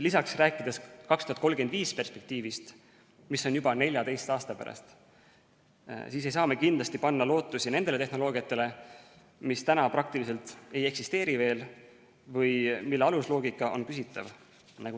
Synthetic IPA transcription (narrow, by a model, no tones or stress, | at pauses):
lisɑksræːkːˑid̪̥e̞skɑkst̪uhɑt̪ko̞lɡ̥enviːspe̞rspe̞k̚t̪iːvist̪ | misːo̞njubɑne̞lʲjɑd̪e̞jst̪ɑːst̪ɑpæ̰ɾɑ̰st̪ | siːs̬e̞jsɑːme̞kind̪lɑst̪ipɑnːɑlo̞ːt̪ˑːusine̞nd̪e̞le̞t̪ehno̞lo̞ːɡiɑt̪ːˑe̞le̞ | mist̪ænɑprɑk̚t̪ilise̞lt̪e̞je̞ksist̪e̞ːɾive̞ːl | vɤjmilːeɑluslo̞ːɡikːˑɑʔo̞̰nkysit̪ːˑɑ̰v | nɑɡ̥u